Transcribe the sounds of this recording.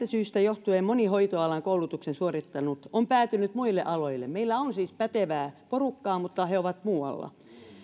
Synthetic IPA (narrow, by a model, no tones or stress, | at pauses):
t̪æsyːst̪æjoht̪ueːmmonihoit̪oɑlɑŋkoulut̪uksensuorit̪ːɑnut̪ompæːt̪ynyt̪muilːḛʔɑloilːˑḛmmeilːæonsiːspæt̪eʋæːporukːɑːmut̪ːɑheoʋɑt̪muːɑ̰lːɑ̰